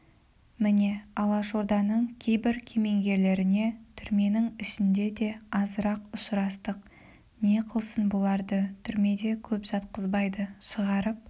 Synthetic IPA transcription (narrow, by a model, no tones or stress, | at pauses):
mɪne̞ɑlˠɑʒo̞ɾd̪ɑnəɴkʲʰe̞jbɪɾkʲʰe̞me̞ŋɡʲe̞ɾle̞ɾɪne̞t̪ʰʏɾme̞nɪŋɪʃɪnd̪e̞d̪e̞ɑzəɾɑqʊʃɾɑst̪əq | ne̞qʰəlˠsənbolˠɑɾd̪ət̪ʰʏɾme̞d̪e̞kʲʰɵpʒ̥ɑt̪qəzbɑjd̪əʃəʁɑɾəp̚